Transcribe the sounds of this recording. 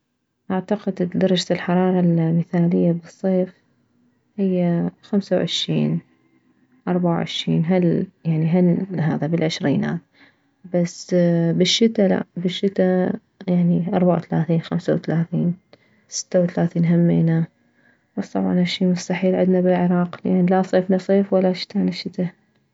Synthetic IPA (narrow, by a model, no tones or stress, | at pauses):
ʔaʕt̪aqɪd̪d̪ɑɾˤɑd͡ʒalħɑɾˤɑːɾˤɑlmɪθaːlɪjːabɨsˤːeːf | hɪjːaxamsawʕɪʃɾḭːn | ʔɑɾˤbaʕa̰wʕɪ̰ʃɾiːnɦaljaʕniɦanɦa̰ːðabɪlʕɪʃɾiːna̰ːt̪ | basbɪʃːɪt̪ːala̰bɪʃːɪt̪ːa | jaʕniʔɑ̰ɾˤbaʕa̰wθalaːθiːnxamsawθalaːθiːn | sɪ̥t̪ːawθalaːθiːnɦamːḛːna | bast̪ˤɑbʕɑ̰naʃiːmʊst̪aħiːlʕɪd̪nabɪlʕɪɾˤɑːqlʔanlasˤeːfnasˤeːfwalːaʃɪ̥t̪aːnɪʃːɪt̪a